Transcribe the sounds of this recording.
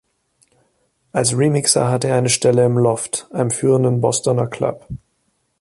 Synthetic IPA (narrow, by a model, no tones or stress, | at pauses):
ʔalsʁimɪksɐ̰ɦatəeɐaɪnəʃtɛləɪmlɔftʔaɪnəmfyːʁəndənbɔstɔnɐkʰl̥a̰p